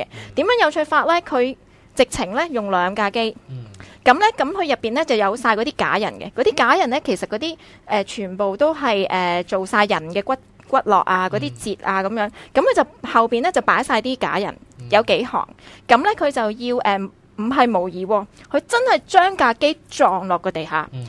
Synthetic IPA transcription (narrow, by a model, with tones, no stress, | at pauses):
ɛ˧t̪i˨˥mjœː˨˥ŋjɐ˨˧wt͡ʃʰɵ˧faː˧t̚lɛː˥kʰɵ˨˧ɥ | t͡sɪ˨k̚t͡sʰɪ˨˩ŋlɛ˥jʊ˨ŋlœː˨˧ŋkaː˧ke˥jkɐ˨˥mlɛ˥kɐ˨˥mkʰɵ˨˧ɥjɐ˨˩pːiː˨nlɛ˥t͡sɐ˨wjɐ˨˧wsaː˧jkɔː˧t̪iː˥ka̰ː˨˥jɐ̰˨˩nkɛ̰˧kɔː˨˥t̪iː˥kaː˨˥jɐ˨˩nlɛ˥kʰe˨˩jsɐ˨t̚kɔː˨˧˥t̪iː˥ | ʔɛː˨˧t͡ʃʰyː˨˩npo˨wt̪o˥wɦɐ˨jʔɛː˨˩t͡so˨wsaː˧jːɐ˨˩nkɛː˧kʷɐ˥t̚kʷɐ˥t̚lɔ̰ː˨k̚aː˧kɔː˨˥t̪iː˥t͡siː˨t̚ʔaː˧kɐ˨˧˥mjœː˨˥ŋkɐ˨˥mkʰɵ˨˧t͡sɐ˨whɐ˨wpiː˨nlɛː˥t͡sɐ˨˩wpaː˨˥jsaː˧jt̪iː˥ka̰ː˨˥jɐ̰˨˩njɐ˨˧wke˨˥jhɔ̰ː˨˩ŋkɐ˨˥mlɛ˥kʰɵ˨˧ɥt͡sɐ˨wjiː˧wʔɛː˨ | m̩˨˩ɦɐ˨jmo˨˩wjiː˨˧wɔː˧kʰɵ˨˧ɥt͡sɐ˥nhɐ˨jt͡ʃœː˥ŋkaː˧ke˥jt͡ʃɔː˨ŋlɔː˨kːɔ˨˧t̪e˨jɦa̰ː˨˥